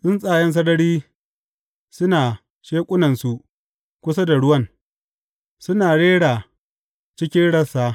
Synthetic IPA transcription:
sɪ˦nsʼaː˨jɐ˦ns̬ɐ˦dɐ˦ɽiː˦ | sʊ˦naː˨ | ʃeː˦kʷʼʊ˦nɐ˨nsu˨ʔ | kʷʊ˦sa˦da˨ɽʊ˦wɐ˦ŋ | sʊ˦naː˨ɽeː˦ɽaː˨ | t͡ʃɪ˦kʲɪ˦nɽɐ˦saː˦

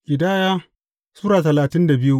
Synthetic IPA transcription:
ʔɪ˨daː˦jaː˦ | suː˦ɾaː˨tɐ˨laː˨tɪ˦nda˨bɪ˦ju˦

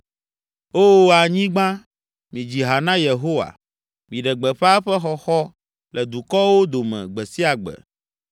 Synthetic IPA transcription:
o˦a˨ɲĩ˦ɡ͡bã˦ | mĩ˨d͡ʑi˨ɦa˨nã˦je˨ɦo˦wa̰˨ | mĩ˨ɖɛ˨ɡ͡bɛ˨ɸa˦ɸɛ˦xɔ˦xɔ˦ | lɛ˨d̪u˨kɔ˦wo˦d̪o˨mɛ̰̃˨ɡ͡bɛ˨si˦a˨ɡ͡bɛ̰˨

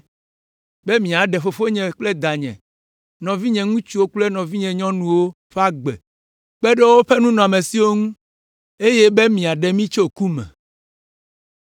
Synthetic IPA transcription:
bɛ˦mĩ˨a˨ɖɛ˨ɸo˨ɸo˦ɲɛ̃˨k͡plɛ˦d̪a˨ɲɛ̰̃˨ | nɔ̃˨vi˦ɲɛ̃˨ŋũ˦t͡ʃu˦wo˦k͡plɛ˦nɔ̃˨vi˦ɲɛ̃˨ɲɔ̃˦nũ˨wo˦ | ɸɛ˦a˦ɡ͡bɛ̰˨ | k͡pɛ˦ɖɛ˦wo˦ɸɛ˦nũ˦nɔ̃˨a˨mẽ˨si˦wo˦ŋũ˦ | e˦jɛ˦be˦mĩ˨a˨ɖɛ˨mĩ˦t͡ʃo˦ku˦mɛ̰̃˨

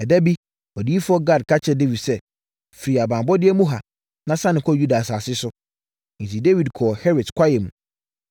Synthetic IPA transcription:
ɛ˨dɛ˦bi˦ | ɔ˨di˦i˦fʊ˦ɔ˦ɡa˦˨dkʰa˦t͡ɕʰɛ˦˨de˦vi˨dsɛ˦ | fi˨ɾi˨a˨bãː˨bɔ˦dɪ˦ɛ˦mũ˦ɦa˨ | nã˦sã˦nɪ̃˨kʰɔ˦ju˦da˨saː˨sɪ˦sʊ˦ | n̩˨tʰi˨de˦wi˨dkʰɔː˨hɛ˦ɾɪ˨dkʷʰa˦jɛ˨mũ˨

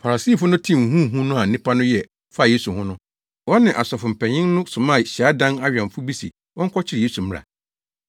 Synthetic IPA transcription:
fa˨ɾa˨si˦˨fʊ˦nʊ̃˦tʰĩ˦˨ŋ̩˨ɦũ˦˨ɦũ˦nʊ̃˦a˨nɪ̃˦pʰa˦nʊ̃˦jɛ˨ | fa˦˨jeː˦su˨hʊ̃˦nʊ̃˦ | wɔ˦nɪ̃˨ʔa˨sɔ˨fʊ˨m̩˨pʰɛ̃˨ɲɪ̃˦ŋnʊ̃˦sʊ̃˨mã˦˨ɕi˨a˦dã˦na˦ɥᶣã˨ɱfʊ˦bi˦sḭ˨ | wɔ̃˦ŋ̩˦kʰɔ˦t͡ɕʰɪ˦ɾɪ˨e˦su˨m̃˦ɾa̰˨

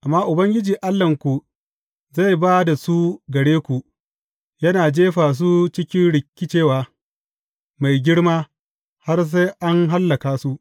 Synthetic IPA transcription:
ʔa˨mːaː˦ʔʊ˨bɐ˦ŋɡʲɪ˦d͡ʒiː˨ʔa˦lːɐ˨ŋkʷu˨ | za˦˨jbaː˦da˨su˦ɡɐ˨ɽeː˦kʷu˨ | jɐ˦naː˨d͡ʒeː˦ɸaː˨s̬u˦t͡ʃɪ˦kʲɪ˦nɽɪ˨kʲːɪ˦t͡ʃeː˦˨waː˨ | ma˨jɡʲɪ˦ɽmaː˦ | ha˦rs̬a˦jʔa˦ŋɦa˦lːɐ˨kaː˨su˦ʔ

